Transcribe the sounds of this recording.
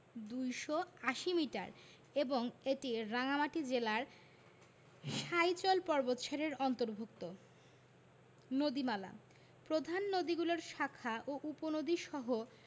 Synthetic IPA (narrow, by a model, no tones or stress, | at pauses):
d̪ujʃoaʃimiʈa̰ɾ | eboŋeʈiɾaŋamaʈid͡ʑelaɾ | ʃajt͡ɕɔlpɔɾbot̪ːʃʰaɾeɾɔnt̪oɾbʱuk̚t̪o | nod̪imala̰ | pɾod̪ʱanːod̪iɡuloɾʃakʰaʔoʔuponod̪iʃɔɦo